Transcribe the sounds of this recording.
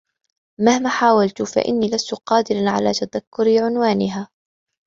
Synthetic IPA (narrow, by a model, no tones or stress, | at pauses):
mahmaːħaːwalt̪ʊfa̰ʔɪ̰nːiːlast̪ʊqɑːd̪ɪɾanʕa̰laːt̪aðakːʊɾiʕʊnwaːnɪɦaː